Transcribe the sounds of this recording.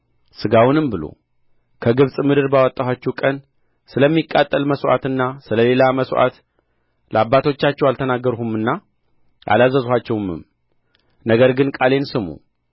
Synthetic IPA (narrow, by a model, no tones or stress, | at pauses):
sɨɡawʊnɨmbɨlo̰ | kʰəɡɨβsʼmɨd̪ɨɾbawət̪ʼːawat͡ʃːɛwkʼən | sɨləmːikʼːat̪ʼːəlməswʔa̰t̪ɨnːasɨləle̞laməsʔa̰t̪ | ləabːat̪ʰo̞t͡ʃːat͡ʃːɛwalt̪ʰənaɡːəɾuhumɨnːa | ʔa̰lazəzhʷat͡ʃːɛwɨmɨ̰m | nəɡəɾɡɨnkʼale̞nsɨmṵ